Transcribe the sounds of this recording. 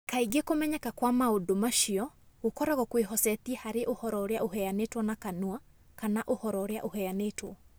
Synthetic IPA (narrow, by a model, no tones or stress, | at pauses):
kaiɡekomɛɲɛkakwamaodomaʃiɔɣokɔɾɛɣɔkweɦɔsɛtiɛhaɾeʔohɔɾɔoɾeaʔoɦɛanetwɔnakanua | kanaʔohɔɾɔɾea̰ʔohɛanetwɔ